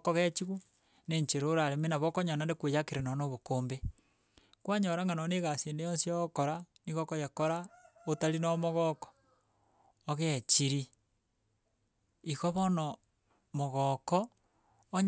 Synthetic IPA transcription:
koɣet͡ʃiɣu | neɲt͡ʃeɾoɾaɾemenaβɔkoɲanandekwejakeɾenonoβokoːmbe | kwaɲoɾaŋɡanoneɣaseːndejonsiɔkoɾaniɣokojakoɾaotaɾinɔmoɣɔkɔ̥ | ɣet͡ʃiɾi | iɣoβɔnɔ | moɣɔkɔː | ɲ

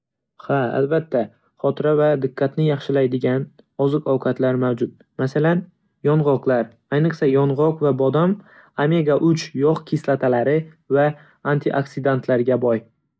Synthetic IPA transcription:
haa̰lbat̪ʰːa | χɒt̪ʰɪɾavad̪ɪqʰːat̪nɪjɑχʃɪlajd̪ɪɡʲan | ɒzɨqʰɒwqʰɑt̪ʰlaɾmawd͡ʒʊt̪̚ | masalan | jɒnʁɒqlaɾ | ajnɨqsajɒnʁɒqvabɒd̪am | ame̞ɡaʔʊt͡ʃjɒqkʲʰislat̪ʰalaɾɪ | vaː | nt̪ʰɪʔaksɪd̪ant̪ʰlaɾɡʲabɒj

